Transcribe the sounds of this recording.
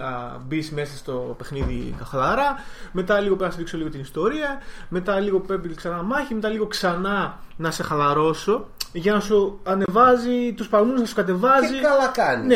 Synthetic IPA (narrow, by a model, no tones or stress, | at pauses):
ɐbisme̞sɐst̪o̞pe̞xniðḭkɐxlɐɾɐme̞t̪ɐliɣopeɾɐɐsðikso̞liɣo̞t̪inist̪o̞ɾiɐme̞t̪ɐliɣo̞pepiksɐnɐmɐçime̞t̪ɐliɣo̞ksɐnɐnɐse̞xɐlɐɾo̞so̞ʝɐnɐsuɐne̞vɐzit̪uspɐlmunsθɐsukɐt̪e̞vɐziɐlɐkɐnne